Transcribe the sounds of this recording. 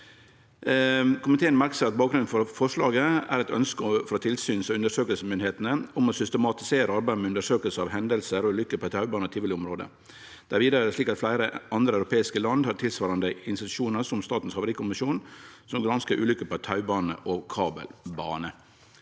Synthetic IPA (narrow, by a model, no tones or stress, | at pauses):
kʰʊmɪt̪ʰeːənmæɾksəɾɑt̪̚bɑːkɡɾʉnn̩fɔɾfɔʂɭɑːɡəæ̰ɾɛt̪œ̰nskəfɾɔt̪ʰɪlsyːnsɔʉnd̪əʂøːkəlsəmʏnɪheːt̪nəʊmɔsʏst̪əmɑt̪ɪ̥seːɾəɑɾbæɪd̪mɛːʉnd̪əʂøːkəlsəɑʋɦɛnd̪əlsəɾɔʉlʏkːəpʰɔɛt̪ʰɑʉbɑːnət̪ʰɪlʋɪlɪʊmɾoːd̪ə̰ | d̪̥æɾʋiːd̪əɾædɛslɭiːkɑt̪flæɪɾəɑnd̪ɾəɑʉɾʊpʰeːɪskəlɑnd̪hɑʈʰɪlsʋɑːɾɑnd̪əɪnst̪ɪt̪ʉ̥ʂuːnəɾʂɔmst̪ɑːt̪n̩shɑʋʊɾɪkʊmɪʂuːnsɔmɡɾɑnskəɾʔʉ̰ːlʏkəpɔɛt̪ʰɑʉbɑːnə̰ʔɔkʰɑːbə̰lbɑ̰ːnə